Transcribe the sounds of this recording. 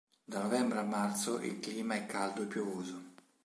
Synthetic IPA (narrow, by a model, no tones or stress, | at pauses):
d̪anovɛmbɾeamːart̪soʔḭlkliːmaɛkːald̪oepːjovoːzo